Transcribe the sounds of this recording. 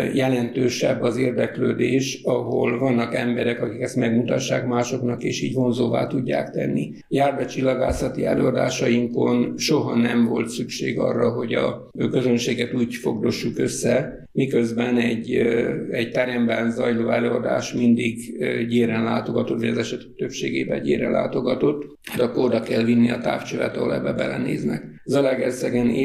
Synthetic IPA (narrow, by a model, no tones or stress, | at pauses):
jɛlɛnt̪øːʃɛ̰bːɒzeːrd̪ɛkløːd̪eːʃɒɦo̰lvɒnːɒkɛmbɛɾɛkɒkikɛst̪mɛɡmut̪ɒʃːaːkmaːʃo̞knɒkeːʃiːɟvo̞nzoːva̰ːt̪uɟːa̰ːkt̪ɛ̰nːḭ | jaːrd̪ɛt͡ʃilːɒɡaːsɒt̪iɛløːɒd̪a̰ːʃɒjiŋko̞nʃo̞ɦɒnɛɱvo̞lt̪sykʃeːɡɒ̰rːɒɦo̞ɟɒ̰ | kø̞zønʃeːɡɛt̪uːɟfo̞ɡd̪o̞ʃːukø̞sːɛ | mikøzbɛnɛɟ | ɛɟt̪ɛɾɛmbɛnzɒjloːɛløːɒd̪a̰ːʃmind̪iɡɟeːɾɛnlaːt̪o̞ɡɒt̪o̞t̪vɒɟɒzɛʃɛt̪t̪øpʃeːɡḛːbɛɟeːɾɛlʔa̰ːt̪o̞ɡɒt̪o̞t̪ː | hat̪ɒkord̪ɒkɛlvinːiɒt̪a̰ːft͡ʃølɛ̰t̪ɒɦolɛ̰bːɛbɛ̰lɛ̰nḛːznɛkzɒlɛɡɛrsɛɡɛneː